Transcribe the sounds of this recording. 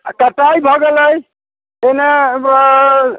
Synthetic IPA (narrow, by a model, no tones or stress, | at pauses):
kəʈajbʱɔɡeləj | ene